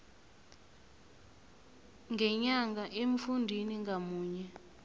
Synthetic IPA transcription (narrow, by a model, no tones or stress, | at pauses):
ŋɡʱɛɲaŋɡaʔem̩fundʱiniŋɡamuːɲɛ